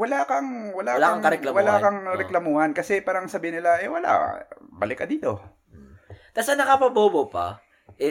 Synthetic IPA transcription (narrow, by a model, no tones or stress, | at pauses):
wɐlaːkɐŋwɐlalaɐŋkɐɾɛlɐwɐlakɐŋɾɛklɐmuːhɐnkɐsɛpaːɾɐŋsɐbiːhɪnɪlaʔɛwɐla̰ʔbɐlɪkːɐd̪iːt̪o̞ | t̪asɐnɐkɐpɐboːbopa̰ | ʔɛ